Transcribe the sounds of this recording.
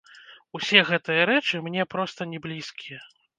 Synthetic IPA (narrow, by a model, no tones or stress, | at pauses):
usʲɛɣɛt̪ɨjɐɾɛt͡ʂɨmnʲɛpɾɔst̪ɐnʲɛblʲiskʲijɐ